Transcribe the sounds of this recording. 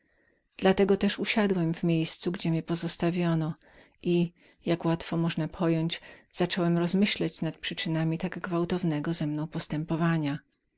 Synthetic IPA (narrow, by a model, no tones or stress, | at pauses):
d̪̥lat̪ɛɡɔt̪ɛʂuɕad̪wɛmvmʲjejst̪suɡd͡ʑɛmʲɛpɔzɔst̪avʲjɔnɔ | ʔi | jakwat̪fɔmɔʐnapʰɔjɔɲd͡ʑz̥at͡ʂɔwɛmɾɔzmɘɕlat͡ɕnat̪̚pʂɘt͡ʂɘnamʲit̪aɡɡvawt̪ɔvnɛɡɔzɛmnɔ̃w̃pɔst̪ɛmpɔvaɲa